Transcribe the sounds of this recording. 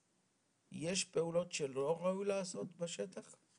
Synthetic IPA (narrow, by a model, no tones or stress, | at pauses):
jeʃpe̞ulo̞t̪ʃelo̞ʁaujlaːso̞t̪baʃet̪aχ